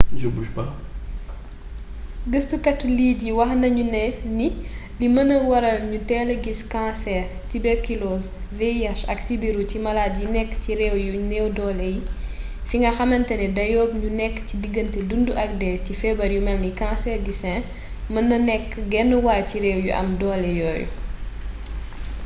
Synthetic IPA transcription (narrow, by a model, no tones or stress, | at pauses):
d͡ʒubuʃbɐ | ɡəstukɐtːuliːɟiwɐxnɐɲunɛni | limɐnɐwɐɾɐlɲutɛːləɡiskãsɛːrtibɛɾkilɔsveiasɐksibiɾucimɐlaːtɟinɛkːciɾɛwjunɛwdɔːlɛji | fiŋɡɐxɐmɐntɐnɛdɐjɔːb̚ɲunɛkːcidiɡːəntɛdunduʔɐk̚dɛcifɛbɐɾjumɛlikãːsɛːrdisɛ̃ | mɐnɐnɛkːɡɛnːəwaːciɾɛːwjṵʔɐ̰mdɔːlɛjɔ̰ːjṵ